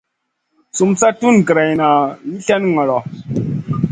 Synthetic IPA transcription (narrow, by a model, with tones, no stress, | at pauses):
su˨msa˦tu˦n˨ɡɾa˨jna˨ji˦ɬɛ˦nŋa˨lɔ˨